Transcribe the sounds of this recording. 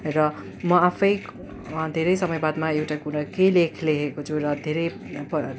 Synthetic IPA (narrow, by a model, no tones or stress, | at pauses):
rʌ | mʌapʰʌj | d̪ʱeɾʌjsʌmʌjbad̪maewʈakuɽʌkejlekʰleɦekot͡sʰuɾʌd̪ʱeɾʌj | pʌ